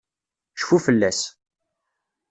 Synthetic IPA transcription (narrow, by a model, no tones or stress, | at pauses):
ʃfufəlːæs